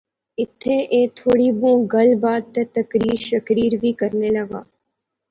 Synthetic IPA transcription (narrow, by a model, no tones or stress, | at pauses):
ɪt̪ʰːeʔeːt̪ʰoːɽibũːɡɐlbaːd̪̚t̪et̪ɐkɾiːɾʃɐkɾiːɾbʱiːkɐɾnelɐɡa̰ː